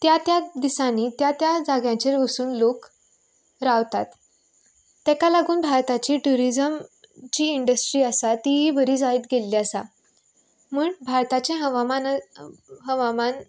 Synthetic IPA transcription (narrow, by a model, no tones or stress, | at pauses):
t̪jat̪jad̪isãnit̪jat̪jad͡zaɡjãt͡ɕeɾʋəsuːnlok | ɾaʋt̪at̪ː | ɛkalaɡuːnbʱaɾt̪at͡ɕiːʈuɾid͡zəmt͡ɕiːiɳɖəsʈɾiːəsat̪iɦibəɾiːd͡zaiːt̪ɡelːiasa̰ | muːɳbʱaɾt̪at͡ɕẽɦəʋaman | ɦəʋaman